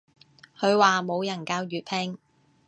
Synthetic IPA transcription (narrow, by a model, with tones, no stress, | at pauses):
hʰɵ˨˧ɥwaː˨mo˨˧wjɐ˨˩nkaː˧wjyː˨t̚pʰɛ˧˥ŋ